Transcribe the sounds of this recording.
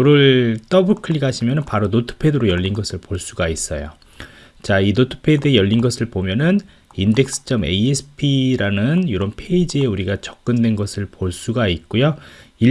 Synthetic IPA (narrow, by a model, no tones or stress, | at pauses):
oɾɯɭt͈ʌbɯkʰɯɭikaɕʰimjʌnɯnpaɾonotʰɯ̥pʰe̞dɯɾojʌʎːinɡʌsʰɯɭpoɭs͈uɡais͈ʌ̰jo̰ | t͡ɕainotʰɯ̥pʰe̞dɯejʌʎːinɡʌsʰɯɭpomjʌnɯn | inde̞k̚s͈ʰɯ̥t͡ɕ͈ʌme̞̰iesʰɯ̥pʰiɾanɯnjoɾʌnpʰeid͡ʑie̞uɾiɡat͡ɕʌk̚k͈ɯndwe̞nɡʌsʰɯɭpoɭs͈uɡait̚k͈ujoi